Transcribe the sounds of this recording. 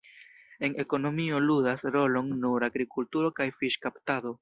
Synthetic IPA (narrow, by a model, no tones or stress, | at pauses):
e̞ne̞ko̞no̞mio̞ludasɾo̞lo̞nːuɾaɡɾikultuɾo̞kajfiʃkaptado̞